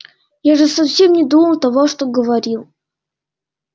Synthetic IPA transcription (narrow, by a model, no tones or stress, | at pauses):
jaʐɨsɐfsʲemnʲɪd̪uməlˠt̪ɐvoʂt̪oɡəvɐɾʲilˠ